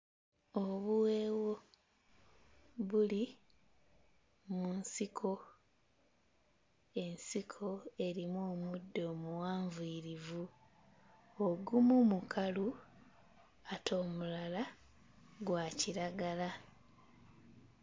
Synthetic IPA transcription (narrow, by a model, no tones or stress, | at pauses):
oβuweːwo̞ | βuli | munsikʰo̞ | e̞nsikʰo̞e̞ɾimoːmudːo̞ːmuwaːɱvuiːɾivu | oɡumumukʰalu | atʰo̞ːmulala | ɡwaːciɾaɡala